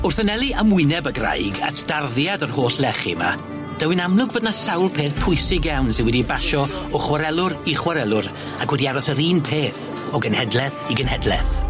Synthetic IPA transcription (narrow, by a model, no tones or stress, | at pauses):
ʊrθənɛlˠiʔəmʊɨnɛbəɡra̰jɡa̰tʰd̥arðjadɔrhoːɬlɛχḭma̰ | d̥əwɪnamlˠʊɡvədnasawlˠpʰeːθpʰʊɨsɪɡjawnsɪ̃nwɛdibaʃɔɔχwaɾɛlˠʊɾiχwaɾɛlˠʊɾ | akʰwɛdiaɾɔsəɾiːnpʰeːθ | ɔɡənhɛdlˠɛθiɡənhɛdlˠɛ̰θ